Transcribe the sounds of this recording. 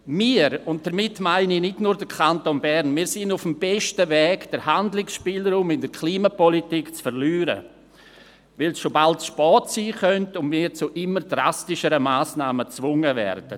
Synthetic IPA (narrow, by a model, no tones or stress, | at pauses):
miːɾʊnt̚d̥əɾmɪtːmaɪninɪdnuːɾdəɾkʰantonbɛɾnmiːɾsɪnʊfmbɛʃtəvɛːɡd̥əɾhandlɪksʃpiːlɾuːmɪndəɾkʰliːmapɔlitikt͡sfəɾlyːɾə̰ | vɪlsʃobaltʃpɔːtsiːχœntʊnmiːɾt͡sʊʔɪmːəɾdɾa̰stɪʃəɾəmaːsnaːmət͡svʊŋəvɛ̰ɾd̥ə